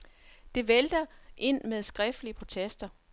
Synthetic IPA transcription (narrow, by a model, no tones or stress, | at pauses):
d̥e̝ʋeld̥ɐʔe̝n̰meðˠsɡ̥ʁɛfd̥liəpʰʁo̝t͡sʰesd̥ɐ